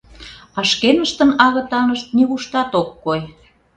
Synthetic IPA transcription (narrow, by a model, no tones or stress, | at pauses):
ɑʃkenəʃt̪ə̆nɑɣɤ̆t̪ɑnəʃt̪̚niβuʃt̪ɑt̪okːoj